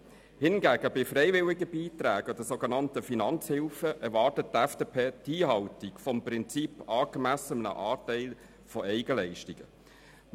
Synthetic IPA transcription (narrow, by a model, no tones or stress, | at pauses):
hɪnɡæːɡ̥əbɪfrɛɪvɪliɡəbiːtræːɡəd̥̪əsoɡənɑntəfinɑnt͡shɪlfəʔɛɾʋɑːrtət̚tɛfd̥epʰeːtiːɦɑwtikfɔmprɪnt͡sipɑːɡ̥əmæsənnə̰ʔɑːtɛɪl | fɔɛɪɡəlɛɪʃtiɡ̥ə